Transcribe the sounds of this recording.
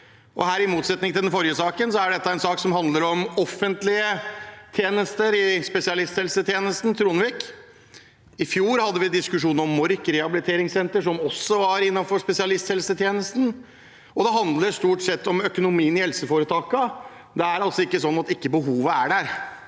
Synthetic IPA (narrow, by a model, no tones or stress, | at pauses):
ʔɔ̰ɦæːɾɪmuːt̪sɛt̪nɪŋt̪ʰɪlɛnfɔɾjəsɑːkənsɔæɖɛt̪ːəæɛnsɑːksɔmhɑnd̪ləɾɔmɔfːənt̪lɪət̪ʰjeːnəst̪əɾɪspɛsɪɑlɪst̪hɛlsət̪ʰjeːnəst̪n̩t̪ʰɾuːnʋiːk | ɪfjuːɾhɑd̪ːəʋɪd̪ɪskʉʂuːnəɾɔmːɔɾkɾɛɑbɪlɪt̪ʰeːɾɪŋsɛnt̪əʂɔmɔsːɔʋɑɾɪnːɑnfɔʂpɛsɪɑlɪst̪hɛlsət̪ʰjeːnəst̪n̩ | ɔd̪ɛɦɑnd̪ləɾst̪uːʈsɛt̪ːɔmœkʊnʊmiːənɪhɛlsəfoːɾət̪ʰɑːkɑ | d̪ɛæɾɑlsɔɪkːəsɔnːɑt̪ɪkːəbəɦuːʋəæɖæɾ